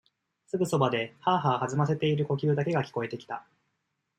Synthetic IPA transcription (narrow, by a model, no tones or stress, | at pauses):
sɨɡɯ̟so̞bad̪e̞haːɦaohazɨmas̬e̞t̪e̞iɾɯ̟ko̞kʲɨːd̪ake̞ɡakʲi̥ko̞e̞t̪e̞kʲi̥t̪a